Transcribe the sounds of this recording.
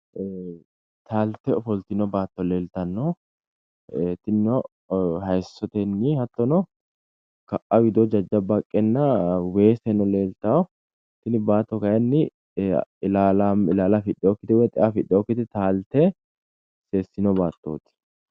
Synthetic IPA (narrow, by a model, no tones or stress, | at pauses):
t̪ʰaːlt̪ːɛɔfɔlt̪ɪnɔbaːt̪ːɔleːlt̪ɐnːɔ | t̪ːɪnɔ | hɐjsːɔt̪ɛnːɪhɐt̪ːɔnɔ | kɐʔʔɐwɪd̪ɔd͡ʒɐd͡ʒːɐbɐkʼːɛnːɐwe̞ːsɛnɔle̞ːlt̪awɔ | t̪ːɪnɪbaːt̪ːɔkɐjɐnːɪ | ɪlaːlamɪlaːlafɪɗːɛɔkːɪt̪ɪwɛt̪ʼɪʔafɪɗːɛɔkːɪt̪ɪt̪aːlt̪ːɛ | seːsːɪnɔbaːt̪ːo̰ːt̪ɪ̥